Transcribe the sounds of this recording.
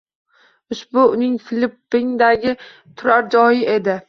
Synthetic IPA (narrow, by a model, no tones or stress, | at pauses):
ʊʃbʊʊnɪŋfɪlɪpːɪŋd̪aɡʲɪ | t̪ʰʊɾaɾd͡ʒɒjɪʔe̞d̪ɪ